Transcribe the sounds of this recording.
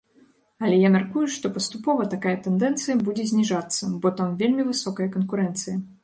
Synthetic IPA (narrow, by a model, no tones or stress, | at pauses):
ɐlʲɛjamʲarkujuʂt̪ɔpɐst̪upɔvɐt̪akajɐt̪ɛnd̪ɛnt̪sɨjɐbud͡zʲɛzʲnʲiʐat̪sːɐbɔt̪amvʲelʲmʲivɨsɔkɐjɐkɐnkuɾɛnt̪sɨjɐ